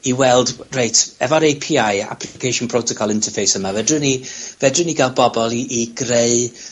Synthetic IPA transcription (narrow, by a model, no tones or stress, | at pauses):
iwɛlˠdrejtʰɛvɔɾejpʰiːaja̰pʰlkʰejʃʊnpʰr̥owtʰɔkʰɔlˠɪntʰəfejsəmavɛdrənivɛdrəniɡalˠbɔbɔlˠiːɡreɨ